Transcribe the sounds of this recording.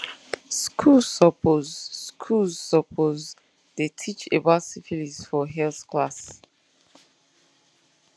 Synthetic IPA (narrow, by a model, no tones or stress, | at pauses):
skʰulsɔpozskʰulzsɔpʰoz | d̥etʰit͡ʃebasifilisfɔɦɛlθkʰlas